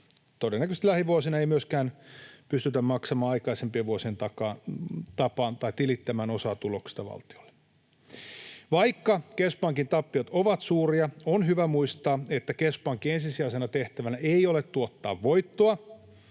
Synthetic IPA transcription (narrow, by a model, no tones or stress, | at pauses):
t̪odenːækøst̪læhiʋuosinɑeimyøskæːnpyst̪yt̪æmmɑksɑmɑːɑikɑisempieʋʋuosient̪ɑkɑːt̪ɑpɑːnt̪ɑit̪ilit̪ːæmæːno̞sɑːt̪uloksi̥t̪ɑʋɑ̰lt̪i̥ol̥ːe̥ | ʋɑikːɑkespɑŋkint̪ɑpːiot̪oʋɑt̪suːriɑonɦyʋæmuist̪ɑːet̪ːækespɑŋkiensisiɑsenɑt̪eht̪æʋænæeijolet̪tuot̪ːɑ̰ːʋʋoit̪ːoɑ